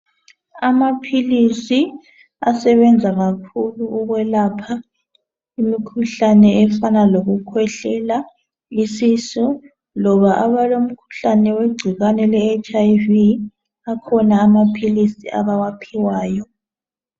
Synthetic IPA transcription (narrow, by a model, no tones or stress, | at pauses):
amapʰilisi | asɛβɛnd͡zʱaɣakʰuluuɣwɛlapʰa | imikʰuɬanɛɛfanaloɣukʰwɛɬɛla | isisu | lɔβaʔaβalom̩kʰu̥ɬanɛweɡ͡ǀʱiɣanɛlɛːt͡ʃʰʼajvi | akʰɔnaːmapʰilisiʔa̰βawapʰiwaːjɔ